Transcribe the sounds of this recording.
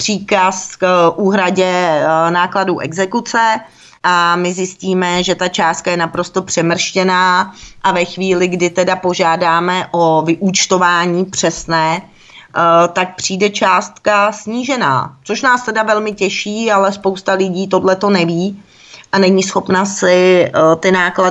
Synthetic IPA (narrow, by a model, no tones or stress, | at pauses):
pr̝̥iːkaskʔuːɦɾaɟɛnaːkladuʔɛɡzɛkut͡sɛ | ʔamɪzjɪsciːmɛʒɛt̪at͡ʃaːst̪̚kajɛnapɾo̞st̪o̞pr̝̥ɛmr̩ʃcɛnaːʔavɛxviːlɪɡdɪt̪ɛdapo̞ʒaːdaːmɛʔo̞vɪʔut͡ʃt̪o̞vaːɲiːpr̝̥ɛsnɛː | t̪ak̚pr̥iːdɛt͡ʃaːst̪kasɲiːʒɛna̰ːt͡so̞ʃnaːst̪ɛdavɛlmɪcɛʃiːalɛspowst̪alɪɟiːt̪o̞dlɛt̪o̞nɛviː | ʔanɛɲiːsxo̞pnasɪt̪ɪnaːkla